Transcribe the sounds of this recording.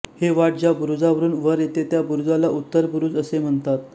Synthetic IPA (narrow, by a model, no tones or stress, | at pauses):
heʋaʈ̚d͡ʑabuɾud͡zaʋəɾuːnʋəɾjet̪et̪jabuɾud͡zalaʔut̪ːəɾpuɾuːd͡zəsem̤əɳt̪at̪